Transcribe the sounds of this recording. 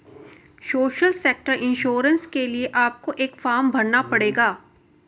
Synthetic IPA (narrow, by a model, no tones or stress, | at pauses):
soːʃəlseːk̚ʈəɾʔɪ̃nʃoːɾə̃nskelieʔaːp̚koʔeːkfaːɾmbʱɐɾnapɐɽeːɡaː